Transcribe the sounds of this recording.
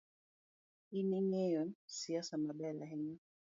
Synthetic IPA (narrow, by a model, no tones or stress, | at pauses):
iniŋɛjɔnsiasamaɓɛlaɦɛɲɛ